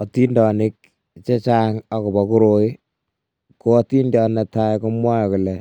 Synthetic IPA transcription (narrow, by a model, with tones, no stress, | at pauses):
ɔ˨ti˦ndɔ˨nɪ˦k̚ | t͡ʃe˦t͡ʃaŋa˦kɔ˨bɔ˨ku˦ɾo˨˦ | koː˦ti˦ndjɔ˦nɛ˨ta˦ko˦mwa˦jɔ˨ku˨lɛ˨